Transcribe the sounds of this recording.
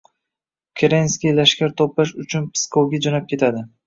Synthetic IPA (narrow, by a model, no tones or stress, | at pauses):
kʲʰeɾenskʲijlaʃkʲaɾt̪ʰoplaʃʊt͡ʃʰʊnpʰɪ̥skʰowɡʲad͡ʒonap̚kʲʰe̞t̪ʰad̪ɪ